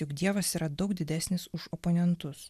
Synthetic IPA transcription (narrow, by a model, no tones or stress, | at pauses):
jʊkd̪ʲiɛʋɐsiːɾɐd̪ɒʊkd̪ʲɪd̪ʲæːsʲnʲɪsʊʃoponʲɛnt̪ʊs